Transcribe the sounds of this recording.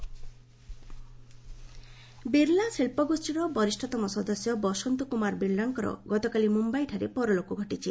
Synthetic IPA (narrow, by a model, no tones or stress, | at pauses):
biɾlasilpɔɡusʈiɾɔbɔɾisʈʰɔt̪ɔmɔsɔd̪ɔsjɔbɔsɔnt̪ukumaɾbiɾlaŋkɔɾɔ̰ɡɔt̪ɔkalimumbajʈʰaɾepɔɾɔlokuɡʱɔʈit͡ʃʰi